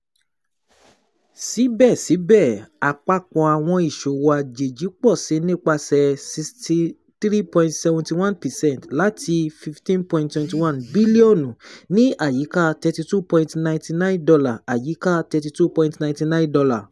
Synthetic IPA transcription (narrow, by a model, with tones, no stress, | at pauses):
si˨˦bɛ˦˨si˨˦bɛ˦˨a˨k͡pa˧kɔ̃˨a˨w̃ɔ̃˧i˨ʃo˨wa˨d͡ʒe˨d͡ʒi˨˦k͡pɔ˦˨si˨˦nĩ˦k͡pa˧sɛ˧˨si˧sti˧ | tɾi˦pɔ̃˧ĩntsɛ˧vɔ̃˧nti˧wã˦npɛ˨sɛ̃˦ntla˨˦ti˧fi˧ftĩ˦npɔ̃˧ĩntwɛ̃˧nti˧wã˦nbi˦li˦o˦˨nũ˨nĩ˦a˦˨ji˨˦ka˦tɛ˧ti˧tu˦pɔ̃˧ĩtnã˧ĩnti˧nã˦ĩ˦ndɔ˧la˨a˨ji˨˦ka˦tɛ˧ti˧tu˦pɔ̃˧ĩtnã˧˨ĩnti˧nã˦ndɔ˧la˨